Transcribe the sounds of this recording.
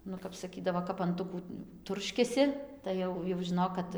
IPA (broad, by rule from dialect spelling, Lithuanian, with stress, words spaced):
ˈnʊ kɐp sɐˈkʲiːdɐʋoː kɐp ɐnˈtʊkuː ˈtʊrʲʃʲkʲɛsʲɪ tɐɪ ˈjɛʊ jɛʊ ʒʲɪˈnoːk kɐt